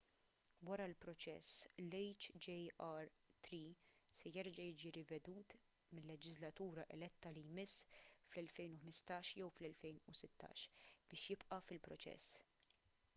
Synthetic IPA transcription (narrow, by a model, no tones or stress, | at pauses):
wɐɾɐlpɾɔt͡ʃɛ̰slɛjt͡ʃd͡ʒɛɐɾ | t̪ɾisɛjɛɾd͡ʒɐjɪːd͡ʒiɾɪvɛd̪uːt̪ | mɪlːɛd͡ʒɪzlɐt̪uːɾɐʔɛlɛt̪ːɐlijmɪsːflɛlfɛjnʊħmɪst̪ɐːʃjɛwflɛlfɛjnusɪt̪ʰːɐ̰ːʃb̥ɪːʃjɪpʔɐfɪlpɾɔt͡ʃɛ̰sː